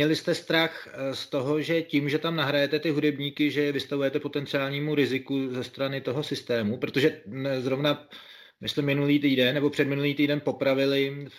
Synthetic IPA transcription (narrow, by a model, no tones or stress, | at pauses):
ɲɛlɪst̪ɛst̪ɾaxst̪o̞ɦo̞ʒɛciːmʒɛt̪amnaɦɾajɛt̪ɛt̪ɪɦudɛbɲiːkɪʒɛvɪst̪avujɛt̪ɛpo̞t̪ɛnt͡sɪaːlɲiːmuɾɪzɪkuzɛst̪ɾanɪt̪o̞ɦo̞sɪst̪ɛːmupɾo̞t̪o̞ʒɛzɾovna | mɪsmɛmɪnuliːt̪iːdɛnːɛbo̞pr̝̥ɛdmɪnuliːt̪iːdɛnpo̞pɾavɪlɪ